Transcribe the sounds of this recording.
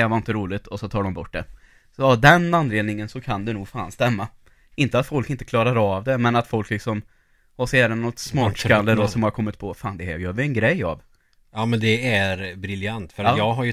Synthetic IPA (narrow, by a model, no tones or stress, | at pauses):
ɛvaɾɪnt̪əɾuːlɪt̪ʰɔsɔt̪ʰɑːɖɔmbɔʈ̚ːɖɛ | sɔavd̪ɛnand̪leːd̪nɪŋənsɔkʰand̪ɛnuːɡfaːnst̪ɛmːa | ɪnt̪əat̪fɔlkɪnt̪əkʰlɑːɾaɾɑvd̪ɛmɛnat̪fɔlklɪksɔm | ɔsɛːɾɛnːɔt̪smɑːʈʂkanəd̪ɔsɔmhaɾkʰɔmːɪt̪pʰɔfaːnd̪ɛhæ̰ɾjœːɾvɪɛnɡɾɛjːa̰v | ɑːmɛnd̪ɛæɾbɾɪljant̪fœɾajɑːɡɦaɾj